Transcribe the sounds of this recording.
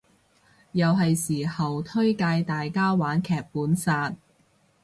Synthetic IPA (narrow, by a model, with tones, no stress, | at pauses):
jɐ˨wɦɐ˨jsiː˨˩hɐ˨wt̪ʰɵ˥ɥkaː˧jt̪aː˨jkaː˥waː˨˥nkʰɛː˨˩k̚puː˨˥nsaː˧t̚